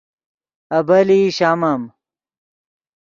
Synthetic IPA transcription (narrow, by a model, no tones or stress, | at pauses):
ɐbɐliɕaːmɐm